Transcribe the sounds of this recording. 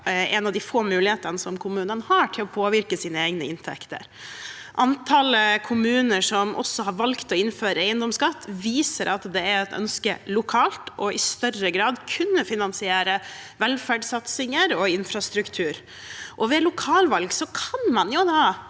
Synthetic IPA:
ɛnɑʋd̪ɪfoːmʉːlɪheːt̪ənəsɔmkʰʊmʉːnənhɑːʈʰɪlɔpʰoːʋɪɾkəsiːnəeːɡnəɪnt̪ʰɛ̰kt̪ə̰ɾ | ʔɑnt̪ʰɑːləkʰʊmʉːnəʂɔmʔɔ̰sːɔɦɑɾʋɑlkt̪ɔɪnføːɾəæɪənd̪ɔmsɡɑt̪ːʋiːsəɾʔɑt̪d̪ɛæɾɛt̪œ̰nskəlʊkʰɑːlt̪ɔɪst̪œrəɡɾɑːd̪kʰʉnːəfɪnɑnsɪeːɾəʋɛlfæɖsɑt̪sɪŋəɾɔɪnfɾɑst̪ɾʉkt̪ʰʉːɾ | ʔɔʋɛlʊkʰɑːlʋɑlɡsɔkʰɑnmɑnjʊd̪ɑː

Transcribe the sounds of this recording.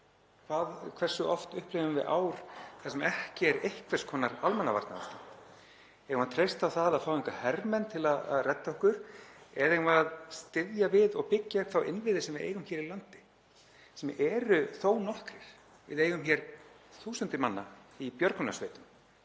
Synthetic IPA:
kʰvaːðkʰvɛr̥sʏʔɔft̪ʏhpleːvʏmvɪ̰ðʔaːwɾ̥θasɛmɛhcɪɛɾehkʰvɛr̥skʰɔːnaɾalmɛnːava̰ɾt̪na̰ast̪an | ɛɣmaðt̪ʰɾejst̪awθaðaðfawiŋkahɛrmɛnt̪ʰɪlaða̰ðrɛt̪ːaɔhkʏɾ̥ɛðɛɣmaaðst̪ɪðjavɪðɔɣpɪcːaɛkθawʔɪ̰nvɪðɪsɛmvɪðḛjɣʏmçɛːɾilant̪ɪ̥ | sɛmɛːɾʏθownɔhkɾɪɾ̥ | vɪ̰ðejɣʏmçɛɾ | θuːsʏnt̪ɪmanːa̰ipjœɾk̪ʏna̰sveːt̪ʏm

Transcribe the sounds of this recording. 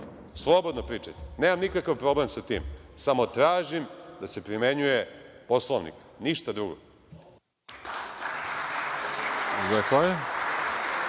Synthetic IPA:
slˠobod̪nopɾiːt͡ʂajt̪eneːmamnikakaʋpɾo̞blemsat̪ḭːmsamo̞t̪ɾaːʒimd̪ase̞pɾime̞ɲujepo̞slˠoʋnḭk | niʃt̪ad̪ɾuɡo̰ | zakaje

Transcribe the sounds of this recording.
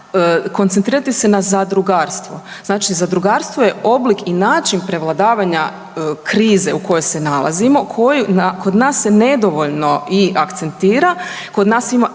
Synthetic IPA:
kont̪ent̪ɾiːɾat̪ise̞nazad̪ɾuɡaːɾst̪ʋo̞̰z̥naːt͡ʃizad̪ɾuɡaːɾst̪ʋoje̞o̞blikinaːt͡ʃinpɾe̞ʋlˠad̪aːʋaɲa | kɾiːze̞uko̞jo̞jse̞nalˠa̰zimo̞kʰojunakod̪naːsːe̞ned̪o̞ʋoʎno̞iakt̪se̞nt̪iːɾa | ko̞d̪naːsima

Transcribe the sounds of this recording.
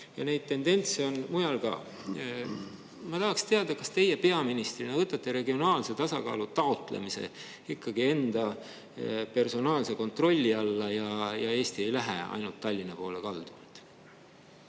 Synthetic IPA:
jɑne̞jd̪̥̚t̪e̞nd̪e̞nt̪se̞o̞nmujɑlkɑ̰ː | mɑt̪ɑɦɑkst̪e̞ɑd̪̥ɑkɑst̪e̞je̞pe̞ɑminist̪rinɑvɤt̪ːˑɑt̪ːˑe̞ɾe̞ɡio̞nɑːlse̞t̪ɑsɑkɑ̰ːlut̪ɑot̪ˑlḛmise̞̰ | ikːɑɡie̞nd̪̥ɑ | pe̞rso̞nɑːlse̞ko̞nt̪ro̞lʲːiɑlːɑjɑjɑe̞ːst̪ie̞jlæɦḛɑ̰jnult̪ːɑlʲːinɑpo̞ːlekɑld̪̥umɑlt̪

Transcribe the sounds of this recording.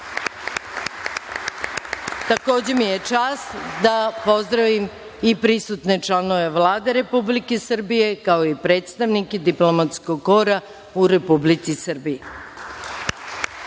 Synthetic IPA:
t̪ako̞ːd͡ʑe̞mijet͡ʃaːst̪d̪apo̞zd̪ɾaʋim | ipɾisut̪ne̞t͡ʂlˠano̞ʋe̞ʋlaːd̪e̞ɾe̞publikesr̩bije̞kaoipɾeːt̪st̪aʋniked̪iplomat̪skoɡko̞ɾa | uɾe̞publit̪sisr̩bii

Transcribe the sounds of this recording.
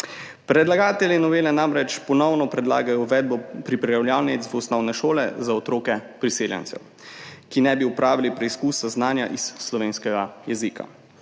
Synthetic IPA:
pɾɛd̪laɡaːt̪ɛlʲjinɔʋeːlɛnamɾɛt͡ʃpɔnɔwnɔpɾɛd̪la̰ːɡajɔʋɛːd̪̚bɔpɾipɾɛjawljaːwnizʋusnɔwnɛʃoːlɛ̰zaɔt̪ɾoːkɛpɾiseːljɛ̰nt̪sɛ̰w | kinɛbiupɾaːʋilipɾɛiskuːsaznaːnjaʔisːlɔʋeːnskɛɡajɛziːkʰa̰

